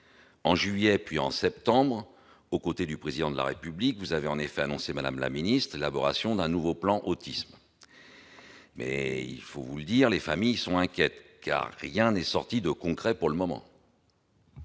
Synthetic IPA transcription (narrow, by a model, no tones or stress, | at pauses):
ɑ̃ʒɥijɛpɥiɑ̰̃sɛp̚t̪ɑ̃bʁ | okot̪ed̪ypχezid̪ɑ̃d̪əla̰ʁepyblikvuzaveɑ̃nefɛanɔ̃semad̪a̰mla̰minist̪χelabɔʁasjɔ̃d̪ɛ̃nuvoplɑ̃ʔot̪ism | mɛ̰ḭlfovuləd̪iʁlefamijsɔ̃ɛ̃kʲjɛt̪ka̰ʁːjɛ̃nɛsɔʁt̪id̪əkɔ̃kχɛpuʁləmɔmɑ̰̃